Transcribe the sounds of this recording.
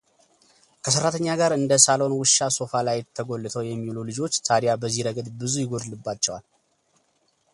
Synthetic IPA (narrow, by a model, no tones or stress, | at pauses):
kʰəs̬əɾːat̪ʰəɲːaɡaɾɨnd̪əsalonwɨʃːaso̞falajt̪ʰːəɡo̞lːɨt̪ʰəwjɛmːilulɨd͡ʒo̞t͡ʃːt̪ʰaɾijabəzːiɾəɡəd̪bɨzujɪɡo̞d̪ɨlɨbːat͡ʃːɛwal